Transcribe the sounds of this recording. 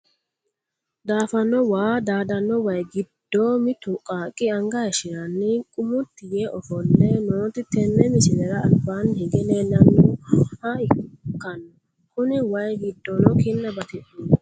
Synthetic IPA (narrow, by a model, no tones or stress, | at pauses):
d̪aːfɐnːɔwaːd̪aːd̪ɐnːɔwɐjɡɪd̪̥ːoːmɪt̪ʊkʼaːkʼːɪɐŋɡɐjɐʃɪɾɐnːɪkʼʊmʊt̪ːɪjeʔɔfɔlːɛnoːt̪ɪt̪ɛnːɛmɪsɪnɛɾɐɐbːanhɛɡɛlenɐnːuhɐɪkːɐn | kʊnɪwɐjɡɪd̪ːɔnɔkɪnːɐbɐt̪ɛʔ